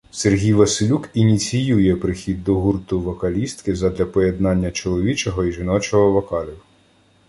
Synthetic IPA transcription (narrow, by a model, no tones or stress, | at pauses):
serɦʲijʋɐsʲɪlʲukinʲit͡sʲijujɛpɾɪxʲid̪̚ːɔɦurt̪ʊʋɔkɐlʲist̪kɪzɐd̪lʲɐpɔje̞d̪nɑnʲːɐt͡ʃɔlˠɔʋʲit͡ʃɔɦɔiʒɪnɔt͡ʃɔɦɔʋɔkɑlʲiw